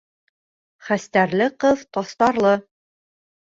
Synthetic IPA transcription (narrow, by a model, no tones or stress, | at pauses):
χæst̪æɾlɘqɤðt̪ɑst̪ɑɾlˠɤ